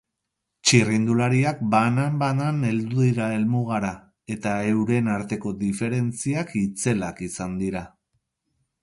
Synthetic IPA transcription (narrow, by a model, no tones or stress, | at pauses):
t͡ʃirind̪ulaɾiak̚banambanane̞ld̪uðiɾae̞lmuɣ̞aɾa | e̞t̪ae̞wɾe̞naɾt̪e̞ko̞ðife̞ɾe̞nt͡siakit͡se̞lakisand̪iɾa